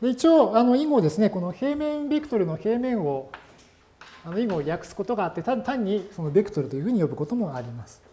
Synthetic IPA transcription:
d̪e̞it͡ɕioːano̞iɡo̞d̪e̞sɨne̞ko̞no̞he̞ːmẽ̞mbʲekɯ̟̥t̪o̞ɾɯ̟no̞he̞ːmẽ̞ɰ̃o̞ | ano̞iɡo̞ːjakɯ̟̥sɨ̥ko̞t̪o̞ɡaːt̪ːe̞t̪at̪aɲ̟ʲːiso̞no̞bʲekɯ̟̥t̪oɾɯ̟t̪o̞jɯ̟ɸɯːɲ̟ijo̞bɯ̟ko̞t̪o̞mo̞aɾʲimasɨ̥

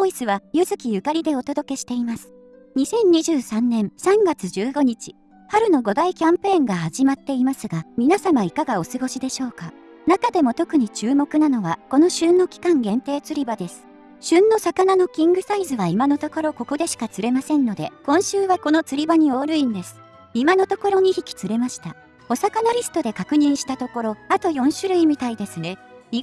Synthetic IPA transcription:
oisɨβajɯ̟zɨkʲijɯ̟kaɾʲid̪e̞o̞t̪o̞d̪o̞ke̞ɕi̥t̪e̞imasɨ̥ | ɲ̟isẽ̞ɲ̟ɲːiʑɨːsãnːẽ̞ɰ̃sãŋɡat͡sɨʑɨːɡo̞ɲ̟it͡ɕi̥ | haɾɯ̟no̞ɡo̞d̪aikʲãmpẽːŋɡahaʑimat̪ːe̞imasɨɡamʲinasamaikaɡao̞sɨɡo̞ɕid̪e̞ɕo̞ːka | nakad̪e̞mo̞t̪o̞kɯ̟ɲ̟it͡ɕɨːmo̞kɯ̟nano̞βako̞no̞ɕɨ̃nːo̞kʲi̥kãŋɡẽ̞nt̪e̞ːt͡sɨɾʲibad̪e̞sɨ̥ | ɕɨ̃nːo̞sakanano̞kʲĩŋɡɯ̟saizɨβaimano̞t̪o̞ko̞ɾo̞ko̞ko̞d̪e̞ɕi̥kat͡sɨɾe̞masẽ̞nːo̞d̪e̞kõ̞ɰ̃ɕɨːβako̞not͡sɨɾʲibaɲ̟io̞ːɾɯ̟ĩnd̪e̞sɨ̥ | imanot̪o̞ko̞ɾo̞ɲ̟içikʲi̥t͡sɨɾe̞maɕi̥t̪a | o̞sakanaɾʲisɨ̥t̪o̞d̪e̞kakɯ̟ɲ̟ĩɰ̃ɕi̥t̪at̪o̞ko̞ɾo̞at̪o̞jõ̞ɰ̃ɕɨɾɯ̟imʲit̪aid̪e̞sɨne̞i

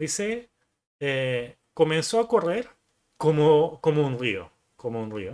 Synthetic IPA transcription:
dise | e | komẽnsoakoreɾ | komokomoũnrio̰ | komoũnrḭo

